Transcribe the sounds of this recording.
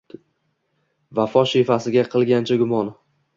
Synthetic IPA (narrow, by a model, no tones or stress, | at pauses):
vafɒʃifasɪɡʲaqʰɨlˠɡʲant͡ʃʰaɡʊmɒn